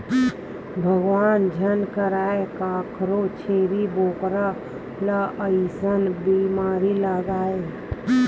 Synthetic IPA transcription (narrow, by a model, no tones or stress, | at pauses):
bʱəɡwaːnd͡ʒʱənkəɾaːekaːkʰɾot͡ʃʰeːɾiboːkɾa | laʔəisənbimaːɾiləɡaːe